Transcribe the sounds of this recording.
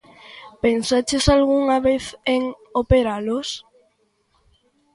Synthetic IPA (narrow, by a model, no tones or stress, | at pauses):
pensat͡ʃesalɣuŋaβeθeŋ | opeɾalos